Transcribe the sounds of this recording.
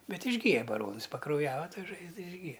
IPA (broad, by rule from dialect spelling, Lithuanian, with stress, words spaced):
ˈbʲɛt ɪʒʲˈɡʲiːjɛ bɐˈroːnɨs pɐkrɐʊˈjæːʋɐ ˈtɐ ˈʒɐɪzdɐ ɪʒʲˈɡʲiːjɛ